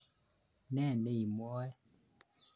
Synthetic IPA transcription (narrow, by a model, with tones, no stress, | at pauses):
nɛː˦˨ne˦˨i˨mɔ˨˦ɛ˦